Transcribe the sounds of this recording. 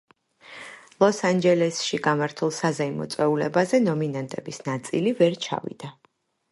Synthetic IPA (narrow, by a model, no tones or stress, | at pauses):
lˠɔsand͡ʒɛlɛsʃiɡamaɾt̪ʰulˠsazɛimɔ̰t̪sʼwɛulɛbazɛnɔminant̪ʼɛbisnat̪sʼilivɛɾt͡ʃʰa̰vḭd̪̥a